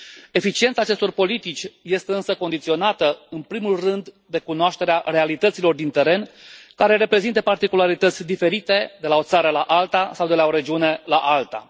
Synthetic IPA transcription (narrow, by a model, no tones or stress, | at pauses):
e̞fit͡ʃie̞nt̪saːt͡ʃest̪o̞rpo̞lit̪it͡ʃʲje̞st̪e̞ɨnsəko̞nd̪it̪sio̞nat̪əɨnpɾimulrɨnd̪ːe̞kunoaʃt̪e̞ɾeare̞alit̪ət̪silo̞rd̪int̪e̞ɾe̞nkaɾe̞ɾe̞pɾe̞zint̪əpart̪ikulaɾit̪ət̪sʲd̪ife̞ɾit̪e̞d̪e̞lao̞t̪saɾəlaʔalt̪asawd̪e̞lao̞ɾe̞d͡ʒiune̞laʔalt̪a̰